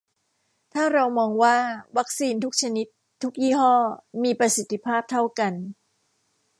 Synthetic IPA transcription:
t̪ʰaː˥˩ɾa˧wmɔː˧ŋwaː˥˩wa˦˥k̚siː˧nt̪ʰu˦˥k̚t͡ɕʰa˧ni˦˥t̪ʰːu˦˥k̚jiː˥˩ɦɔː˥˩miː˧pɾa˧si˨˩t̪ʰːi˦˥pʰaː˥˩p̚t̪ʰa˥˩wka˧n

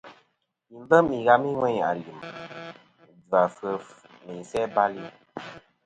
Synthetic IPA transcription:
mi˨m˦bə˦mi˨ɣa˦mi˦ŋwɛ˦ɲa̰˨li˨m˨ | da˨fə˦f | mi˨sɛ˦ba˦li˦˨

